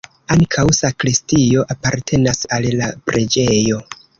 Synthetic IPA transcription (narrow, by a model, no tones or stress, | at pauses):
aŋkʰawsakɾistio̞ʔapaɾtʰe̞nasallapɾe̞d͡ʒe̞jo̞